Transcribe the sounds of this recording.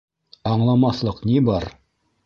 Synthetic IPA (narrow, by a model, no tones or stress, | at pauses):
ɑɴlˠɑmɑθlˠɤqnibɑɾ